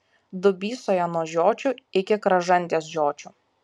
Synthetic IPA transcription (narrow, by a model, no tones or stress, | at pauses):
d̪ʊbʲiːsoːjɛnoɔʒʲoːt͡ʃʲʊɪkʲɪkɾɐʒɐnʲt̪ʲeːsʒʲoːt͡ʃʲʊ